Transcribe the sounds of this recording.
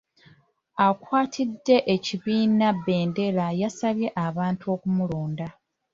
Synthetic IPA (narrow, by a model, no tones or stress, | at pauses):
akwaːtʰidːe̞ʔeciβiːnabe̞ːnde̞lajasaβje̞ʔaβaːntuo̞ːkumuloːnda